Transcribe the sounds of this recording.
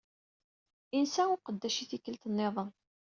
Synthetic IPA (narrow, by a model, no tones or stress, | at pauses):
insæʊqəd̪ːæʃiθikəlt̪ənːeðˤən